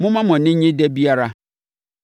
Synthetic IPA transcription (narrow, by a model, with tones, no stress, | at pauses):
mʊ̃˦mã˦mɔ̃˨nɪ̃˦ɲɪ̃˦dɛ˦bi˦a˦ɾa˦